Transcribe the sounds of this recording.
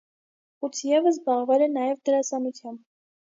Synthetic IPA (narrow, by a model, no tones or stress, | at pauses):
ut͡sʰjɛvəs̬bɑʁvɛlɛnɑjɛvd̪əɾɑsɑnut͡sʰjɑmb